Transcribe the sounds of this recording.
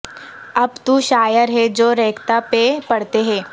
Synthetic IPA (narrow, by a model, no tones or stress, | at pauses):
ɐbt̪uʃaːjəɾɦɛd͡ʒoːɾɛːkʰt̪apepɐɽt̪eɦɛ̃ː